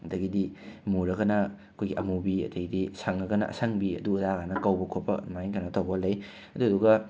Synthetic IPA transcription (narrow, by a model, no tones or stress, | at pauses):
ɐdɐɡidimuɾɐɡɐnɐɐkʰojɡiʔɐmubiɐ̰dɐɡidisaŋɐɡɐnɐ̰ʔɐ̰saŋbiɐ̰dudaɡanɐkɐwbɐkʰot̚pɐ̰majŋkanɐtawɡɐlɐj | ɐduɐduɡɐ